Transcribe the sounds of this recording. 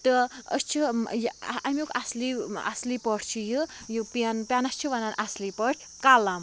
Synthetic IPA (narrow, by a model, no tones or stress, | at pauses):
t̪ɨə̰st͡ʃʰijamokaslia̰slipɔʈʰt͡ʃʰijɨ | jɨpanpjanɐst͡ʃʰuʋananʔaslipɔʈʰ | kalam